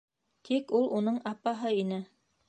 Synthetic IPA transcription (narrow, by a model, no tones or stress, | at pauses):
t̪ʰikulˠunɤɴɑpɑɦɤinɘ